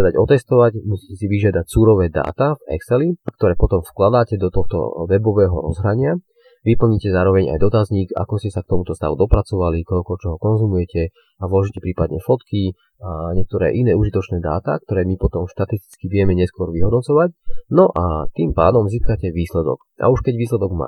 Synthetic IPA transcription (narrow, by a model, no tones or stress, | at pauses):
ɛd̪aɟɔt̪ɛst̪ɔʋacmusi̥ːcɛsiʋiʒɪad̪acsuːɾɔʋɛːd̪a̰ːt̪avɛ̰ksɛlikt̪ɔɾɛːpɔt̪ɔmfklad̪aːcɛd̪ɔt̪ɔxt̪ɔ̰ʋɛbɔʋɛːɦɔ̰ɾɔ̰zɦɾaɲɪa | ʋipl̩ɲicɛzaːɾɔʋɛɲa̰jd̪ɔt̪azɲiːka̰kɔscɛsak̚t̪ɔmut̪ɔst̪a̰ʋud̪ɔpɾat͡sɔʋalikɔlkɔt͡ʃɔɦɔkɔnzumujɛcɛ | avlɔʒicɛpɾiːpad̪ɲɛfɔt̪ki | aɲɛk̚t̪ɔɾɛ̰ːʔinɛːuʒit̪ɔt͡ʃnɛːd̪a̰ːt̪a̰kt̪ɔɾɛːmipɔt̪ɔmʃt̪at̪ist̪i̥t͡skiʋɪɛmɛɲɛskʊɔɾʋiɦɔd̪nɔt͡sɔʋacnɔʔat̪iːmpa̰ːd̪ɔmziːskacɛʋiːslɛd̪ɔ̰k | ʔa̰uʃkɛɟʋiːslɛd̪ɔɡma̰ː